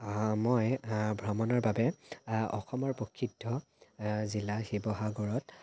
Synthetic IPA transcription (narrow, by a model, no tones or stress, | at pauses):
mojbʱɹɔmɔnɔɹbabɛɔ̰xɔmɔɹpokʰːitʰːɔ | zilaxibɔɦaɡɔɹɔt